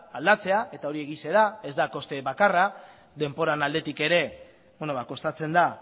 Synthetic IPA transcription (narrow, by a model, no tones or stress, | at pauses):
ald̪at͡se̞aʔe̞t̪ao̞ɾie̞ɣise̞ɾae̞zd̪ako̞st̪e̞βakara | d̪e̞mpo̞ɾanald̪e̞t̪ike̞ɾe̞ | beno̞βako̞st̪at͡se̞nd̪a